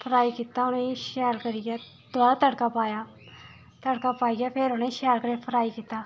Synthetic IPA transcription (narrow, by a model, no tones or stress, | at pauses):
pʰəɾaːiːkiːt̪aːʊnẽʃɛːɾkəɾiːɡɛː | d̪waːat̪əɽkaːpaːjaː | t̪əɽkaːpaːiːɡaːpʰɪɾʊnẽʃɛːɾkəɾeːpʰəɾaːikiːt̪aː